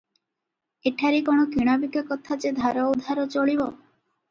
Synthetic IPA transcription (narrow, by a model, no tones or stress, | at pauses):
eʈʰaɾikoɽ̃okiɽ̃abikɔkɔt̪ʰat͡ʃed̪ʱaɾɔud̪ʱaɾɔt͡ʃoɭibɔ